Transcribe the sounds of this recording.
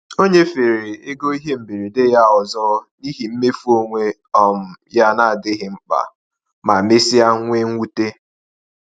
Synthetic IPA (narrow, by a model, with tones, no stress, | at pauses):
o˦ɲe˦fe˨ɾe˨ɪ˦ɡo˦i˦ɦe˦m̩˨bi˨ɾi˨de˦ja˦ɔ˨zɔ˦ni˦ɦi˨m̩˦me˦fu˦o˦ŋʷe˦ | ɔ˨m̩˨ja˦na˦˨a˨dɪ˦ɦɪ˨ŋ͡m̩˦k͡pa̰˨ | ma˨me˦si˦a˦ŋʷe˦ŋ̩ʷ˦u˦te˦